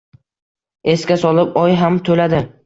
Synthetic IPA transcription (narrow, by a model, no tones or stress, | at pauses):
e̞skʲasɒlɪpɒjɦamt̪ʰolad̪ɪ